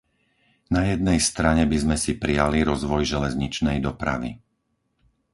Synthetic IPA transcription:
najɛd̪nɛjst̪ɾaɲɛbizmɛsipɾijaliɾɔzʋɔjʒɛlɛzɲit͡ʃnɛjd̪ɔpɾa̰ʋḭ

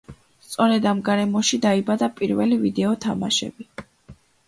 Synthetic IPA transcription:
st̪sʼɔɾɛd̪amɡaɾɛmɔʃid̪aibad̪apʼiɾvɛlivid̪ɛɔt̪ʰama̰ʃɛ̰bi

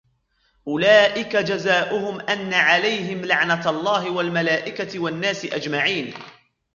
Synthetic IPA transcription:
ʔʊlaːʔɪkad͡ʒazaːʔʊɦʊmʔanːaʕalajɦɪmlaʕnaɑlˤːɑːɦɪwalmalaːʔɪkawanːaːsɪʔad͡ʒmaʕiːn

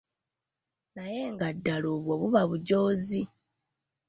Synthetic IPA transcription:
najeŋɡadːaloβwoβuβaβuɟo̞ːzi

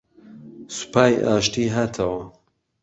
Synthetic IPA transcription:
su̥pʰaːjʔa̰ːʃt̪iːɦaːt̪ʰɐwɐ

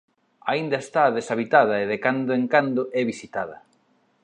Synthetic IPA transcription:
aind̪ɐest̪aːðesaβit̪að̞ɐeðekand̪oeŋkand̪oʔɛβisit̪aðɐ

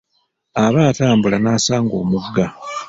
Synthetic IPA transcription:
aβaːtaːmbulanaːsaːŋɡo̞ːmuɡa

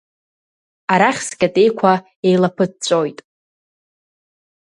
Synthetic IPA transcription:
aɾaχʲsɡʲʼatʼe̞jkʷʰa | e̞jlapʰɨd̚t͡sʷʼojtʼ

